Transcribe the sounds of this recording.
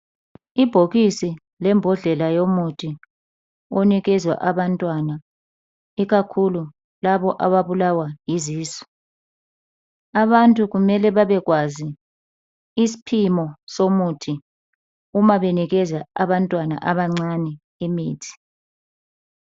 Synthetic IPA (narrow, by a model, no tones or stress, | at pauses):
ib̥ʱoɣisi | lɛmbʱɔɮɛlajomutʰi | oniɣɛzwa̰ʔaβantʼwana | iɣakʰulu | laβɔʔaβaβulawajiziːsɔ̥ | aβantʼuɣumɛlɛβaβɛɣwazi | isi̥pʰimɔsomutʰi | umaβeniɣɛzaaβantʼwana̰ʔaβaŋ͡ǀanɛ | imiːtʰi̥